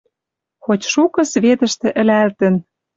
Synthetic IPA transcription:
xotʲʃukɤ̆sβet̪ə̆ʃt̪ĕʔɘ̆lælt̪ə̆n

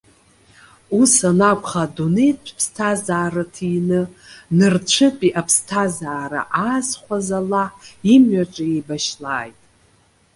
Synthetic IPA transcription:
usanakʷʰʼχadunejtt͡ʃʷʰpʰstʰazaːɾatʰinɨnɨrt͡ʃʷʰɨpʼiʔapʰstʰazaːɾa̰ʔazχʷazalaħimɥaʈ͡ʂʼaebaʃlaːjtʼ

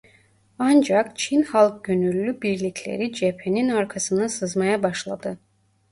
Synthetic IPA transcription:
and͡ʒakt͡ʃʰinhalˠk̚ɟønylʲːybiɾlʲicʰlʲḛɾid͡ʒe̞pʰe̞ninaɾkʰasɯnasɯzmajabaʃlˠad̪ɯ

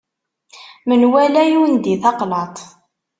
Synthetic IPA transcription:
mənwælæjund̪iθɑqlɑt̪ˤ

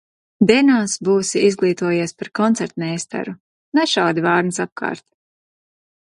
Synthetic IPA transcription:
d̪ɛnaːsbuːsiizɡlˠiːt̪uɔjeɛspaɾkɔnt̪sɛɾt̪nɛːst̪a̰ɾu | nɛʃawd̪ivɑːɾnisap̚kʰa̰ːɾt̪

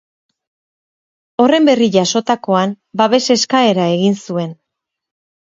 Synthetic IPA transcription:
o̞re̞mbe̞riʝaso̞t̪ako̞an | baβe̞se̞skae̞ɾae̞ɣinsue̞n

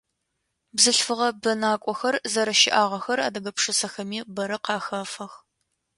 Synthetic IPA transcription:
bzɨɬfɨʁɐbɐnaːkʷʼɔxɐrzɐɾɐʃɪʔaːʁɐxɐɾa̰ːdɐɡɐpʂɨsɐxɐmiːbɐɾɐqɑːxɐfɐx

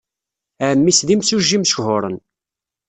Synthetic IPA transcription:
æmːisðimsuʒːimʃhʊɾˤə̰n

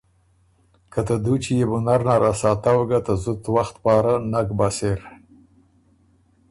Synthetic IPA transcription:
kat̪ad̪ut͡ʃijebunaɾnaɾasɑt̪awɡat̪azʊt̪waxt̪pɑːɾanakbaseɾ

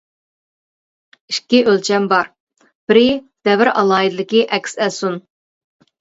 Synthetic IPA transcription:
iʃkʲːiʔølt͡ʃʰɛmbɑɾ | b̥ɪɾɪ | d̪̥ɛvɪɾɑ̰lˠɑːid̪ɨlɪkʲiʔɛkʲsɛsun

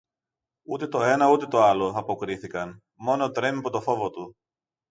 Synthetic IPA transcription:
ut̪e̞t̪o̞e̞nɐut̪e̞t̪o̞ɐlo̞ɐpo̞kɾiθikɐn | mo̞no̞t̪ɾe̞mipot̪o̞fo̞vot̪u

